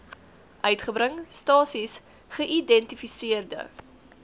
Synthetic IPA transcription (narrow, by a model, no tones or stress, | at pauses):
ʔœɥtχəbɾəŋstɑːsis | χəʔidɛntifisiərdə̰